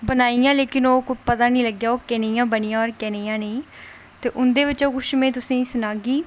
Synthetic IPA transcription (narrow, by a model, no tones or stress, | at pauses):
bənaːijãːleːkɪnoːkʊpət̪aːnĩːləɡjaːoːkɛːneːjãːbəniːjãːɔːɾkɛːneːjãːneĩː | t̪eːʔʊnd̪eːʋɪt͡ʃoːkʊʃmẽːt̪ʊsĩːsʊnaːɡiː